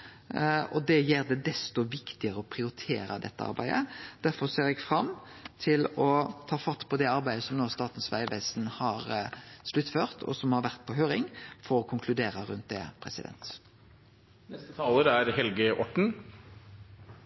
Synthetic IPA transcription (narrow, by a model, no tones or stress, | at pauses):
ɔd̪ɛjeːɾd̪ɛd̪ɛst̪ɔʋɪkt̪ɪəʁəɔpʰʁɪʊɾɪt̪ʰḛːɾə̰d̪ɛ̰t̪ːəɑ̰ɾbæ̰ɪd̪ə̰d̪̥æɾfɔseːɾɛɡfɾɑmːt̪ʰɪlɔt̪ʰɑːfɑt̪ːpʰɔd̪ɛɑɾbæɪəsɔmnoːst̪ɑːt̪n̩sʋæ̰ɪʋeːsnhɑɾslʉt̪ːføːʁt̪ʰɔ̰sɔmhɑɾʋæʁt̪̚pʰɔɦøːɾɪŋfɔɾɔkʰʊŋkʰlʉd̪eːɾəɾʉnt̪̚d̪ɛ̰pʰʁɛ̰sɪd̪ɛ̰nt̪ | nɛst̪ət̪ʰɑːləɾæɾhɛlɡəʔɔʈɳ̩